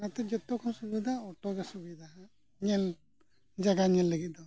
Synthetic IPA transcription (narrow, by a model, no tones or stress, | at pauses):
at̪ɛd͡ʒɔt̪ːɔkʰɔmsubid̪ʱaɔʈɔɡasubid̪ʱaa | ɲɛl | d͡ʒaɡaɲɛlləɡit̪̚d̪ɔ